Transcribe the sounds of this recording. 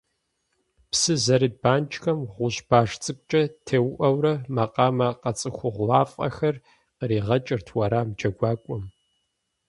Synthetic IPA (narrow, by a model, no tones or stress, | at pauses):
psɨzɐɾibaːnt͡ʃʰʼxɐmʁʷʊɕb̥aːʂt͡sʼɨkʷʼt͡ʃʼɐtʰeːwʔɐwɾɐmɐqʼɑːmɐqɐt͡sʼɨxʷʊʁʷlaːfʼɐ̰xɐr | qəriːʁɐt͡ʃʼɪrtʰwɐɾaːmd͡ʒɐɡʷɑːkʷʼʊm